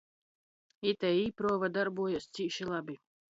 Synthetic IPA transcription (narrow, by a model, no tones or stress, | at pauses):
it̪ɛipɾoːvad̪aɾbuɔjassʲiʃilˠabʲi